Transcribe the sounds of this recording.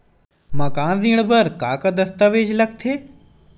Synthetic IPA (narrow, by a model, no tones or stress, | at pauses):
mãːkãːzĩːɽ̃bəɾkaːkad̪ɐst̪əʋeːd͡ʒlɐk̚t̪ʰeː